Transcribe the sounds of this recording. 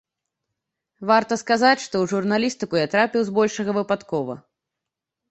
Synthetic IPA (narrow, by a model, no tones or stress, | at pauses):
vart̪ɐskazat͡sʲʂt̪ɔwʐurnalʲist̪ɨkujat̪ɾapʲiwzbɔlʲʂɐɣɐvɨpat̪kɔvɐ̰